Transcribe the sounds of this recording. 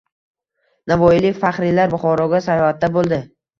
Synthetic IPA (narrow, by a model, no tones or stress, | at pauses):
navɒjɪlɪkʲfaχɾɪlaɾbʊχɒɾɒɡʲasajɒhat̪̚d̪abolˠd̪ɪ